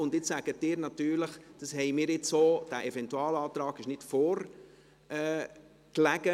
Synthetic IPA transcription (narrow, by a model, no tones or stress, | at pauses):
ʊndɪt͡ssæɡ̥ət̚ːɪːɾnɑt̪yːɾləχd̥ɑshɛɪmɪːɾɪt͡soːd̥æʔɛvɛntuɑːlɑːt̪ɾɑːɡɪʃnɪtfoːɾ | ɛː | klæɡ̥ə